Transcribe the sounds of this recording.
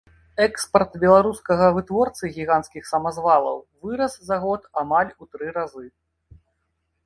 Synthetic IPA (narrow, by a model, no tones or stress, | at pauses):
ɛkspɐrt̪bʲɛlˠaɾuskɐɣɐvɨt̪vɔrt̪sɨɣʲiɣanskʲixsɐmazvalˠɐ̰wvɨɾɐszaɣɔt̪amalʲut̪ɾɨɾazɨ